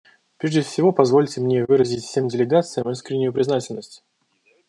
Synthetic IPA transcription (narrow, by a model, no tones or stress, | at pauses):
pɾʲeʐdʲɪfsʲɪvo̞pɐzvo̞lʲtʲɪmnʲevɨɾəzʲɪtʲfsʲe̞mdʲɪlʲɪɡat̪sɨjəmiskɾʲɪnʲːʊjʊpɾʲɪznatʲɪlʲnəsʲtʲ